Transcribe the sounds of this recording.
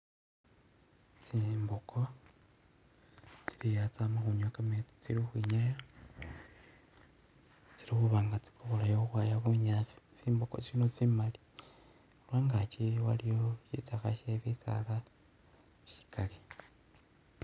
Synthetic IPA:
t͡simbokʰo̞ | t͡silijat͡samaxuɲwakamet͡si̥t͡silixwiɲaja | t͡silixuβaːŋɡat͡si̥kʰoβolajouxwaːjaβuɲat͡si̥t͡siːmboko̰t͡sinot͡simali | olwaːŋɡat͡ʃiwalijo̞ʃit͡saxaʃeβit͡sa̰la | ʃi̥kʰali

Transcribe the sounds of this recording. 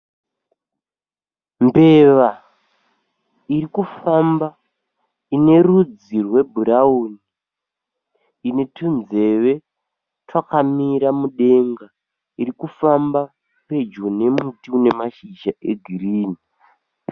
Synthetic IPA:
mbe̞ʋa | iɾikufamba | ine̞rud͡zirwe̞bʱuɾauni | ne̞tunze̞ʋe̞ | tʰwakamiɾamuɗe̞ŋɡa | iɾikufamba | pe̞d͡ʒone̞mutiune̞maʃid͡ʒaʔḛɡʱiriːni

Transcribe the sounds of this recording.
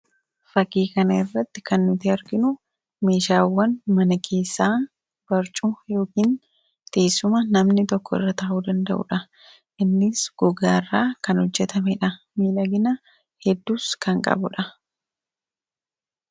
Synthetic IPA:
fɐkːiːkɐnɐɪrːɐt̪ːɪ̥kɐnːʊt̪ɪɐɾɡɪnʊ | me̞ːʃaːwːɐnmɐnɐkʰe̞ːsːaː | b̥ɐɾt͡ʃʼʊjo̞ːkiːn | t̪eːsʊmɐnɐmnɪt̪ɔkːɔɪ̰rːɐt̪ɐʔuːd̪ɐnd̪ɐ̰ʔʊ̰ᶑɐ | ʔɪnːɪsɡ̥ɔɡaːɪrːaːkɐnɔd͡ʒːɛt̪ɐmɛᶑɐ | miːᶑɐɡɪnɐ | hɛd̪ːuːskɐŋkʼɐ̰bʊᶑɐ

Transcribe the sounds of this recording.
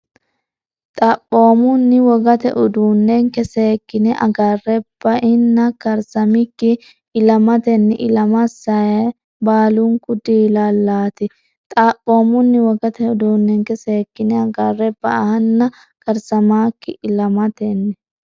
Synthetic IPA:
t̪ʼɐpʼːo̞ːmʊnːɪwɔɡɐt̪ɛ̰ʔʊd̪uːnːɛŋkɛseːkːɪnɛʔɐ̰ɡarːɛb̥ːɐʔɪnːɐkɐɾsɐmɪkːɪː | lɐmɐt̪ɛnːɪʔɪlɐmɐsɐɐ | baːlʊŋkʊd̪iːlɐlːaːt̪ɪ | t̪ʼapʼːo̞ːmʊnːɪwɔɡɐt̪ɛʊd̪uːnːɛŋkɛseːkːɪnɛɐɡɐrːɛbːɐɐhɐnːɐ | kʼɐɾsɐmaːkːɪʔɪlɐmɐt̪ɛnːɛ

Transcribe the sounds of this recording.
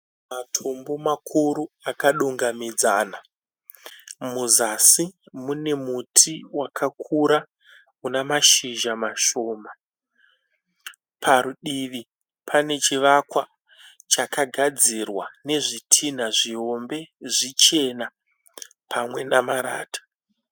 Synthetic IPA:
matʰo̞mbo̞makʰuɾuakaɗuŋɡamid͡zana | muzasimune̞mutʰiwakʰakʰuɾa | unamaʃiʒamaʃo̞ːma | pʰaɾuɗiʋi | pʰane̞t͡ʃiʋakwa | t͡ʃakaɡʱad͡zirwane̞ʐitʰin̤aʐio̞mbe̞ʐit͡ʃe̞na | pʰamwe̞namaɾa̰ːtḁ

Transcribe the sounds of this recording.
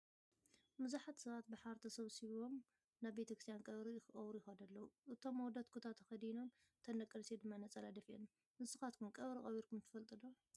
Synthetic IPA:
mɨzaħat̪sɐβat̪̚bɨħaɾt̪ʰɐsɐβsiβo̞m | naβbe̞t̪ɐkʰɾst̪ʰjankʼɐβɾixɨʔʼɐwɾujɪxɐd̪ɐlːɐwuʔɨt̪ʰo̞mːwd̪ɐt̪̚kʰut̪ʰat̪ʰːɐxɐd̪ino̞m | t̪ʰɐnɐkʼːɐlsed̪ɨmːanɐt͡sʼɐlad̪ɐfien | nɨsɨxat̪̚kʰumkʼɐβɾixʼɐβiɾkʰumt̪ʰɨ̥fɐlt̪ʼɨd̪o

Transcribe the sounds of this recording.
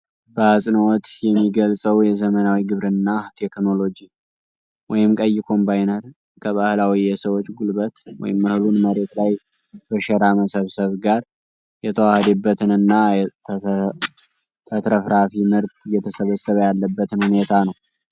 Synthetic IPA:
b̥əasʼnwɔt̪jɛmːiɡəlsʼəwjɛzəmənawiɡɨβɾɨnːat̪ʰe̞kno̞lo̞d͡ʒi | wɔjɪmkʼəjːɪkʰo̞mbajnəɾ | kʰəβahlawijɛsəwot͡ʃʼːɡulbət̪wɔ̰jɪmːəhlunməɾe̞t̪laj | b̥əʃɛɾaməsəβsəβɡaɾ | jɛt̪ʰəwahd̪ɛbːət̪ʰɨnɨnːa | t̪ʰət̪ɾəfɾafimɨɾt̪ɨjɛt̪ʰəsəβəsːəβəjalːəbːət̪ʰɨnhune̞t̪ʰanəw

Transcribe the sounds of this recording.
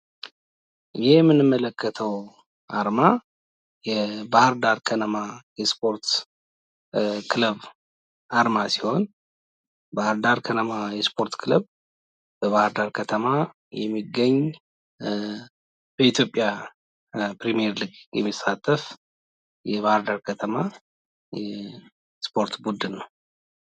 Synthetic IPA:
jɪjɛmːɨnɨmːələkʰːət̪ʰəw | ʔaɾma | jɛbahɾd̪aɾkʰənəmajɛspʰo̞ɾt̪ | kʰɨləβ | ʔaɾmasiho̞n | bahəɾd̪aɾkʰənəmajɛspʰo̞ɾt̪kʰɨləβ | bəβahaɾd̪aɾkʰət̪ʰəma | jɛmːiɡːəɲː | b̥əit̪ʰjo̞pʼːja | pɾimijɛɾliɡjɛ̰mːisat̪ʼːəf | jɛβahaɾd̪aɾkʰət̪ʰəma | jɛ | spʰo̞ɾt̪bud̪ɨnːəw

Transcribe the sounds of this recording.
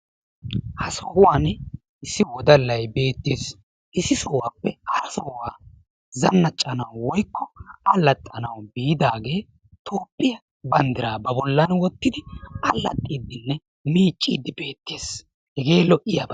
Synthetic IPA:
hɐsɔhʊwaːn | ɪsɪwɔd̪ɐlːɐjbe̞ːt̪ːeːs | ʔɪsɪsɔwaːpːɛɐɾɐsɔwaː | zɐnːɐt͡ʃʼːɐnɐwwɔjkːɔɐlːɐt̪ʼːɐnɐwbijɪd̪aːɡe̞ː | t̪ʰoːpʼːɪjɐ | bɐnd̪ɪɾaːbɐbɔlːɐnwɔt̪ːɪd̪ɪɐlːɐ̰t̪ʼːiːd̪ːɪnːɛ | miːt͡ʃʼːḭːd̪ɪbe̞ːt̪ːeːs | hɛɡe̞ːlɔʔɪjabɐ

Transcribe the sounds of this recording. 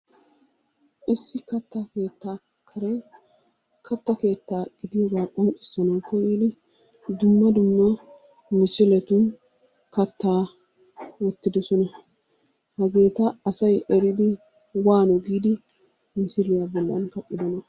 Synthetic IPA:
ʔɪsːɪkɐt̪ːɐke̞ːt̪ːaː | kʰɐɾɛ | kʰɐt̪ːɐke̞ːt̪ːaːɡ̥ɪd̪ɪjɔɡaːkʼɔnkʼɪ̥sːɐnɐwkʰɔjiːd̪ɪ | d̪ʊmːɐd̪ʊmːɐ | mɪsɪlɛt̪un | kɐt̪ːaː | wɔt̪ːɪd̪ɔsɔnɐ | hɐɡe̞ːt̪ɐɐsɐjɛɾɪd̪ɪ | waːnɔɡiːd̪ɪ | mɪsɪlɪjabɔlːɐ̰nkɐpʼːɪd̪ɔnɐ

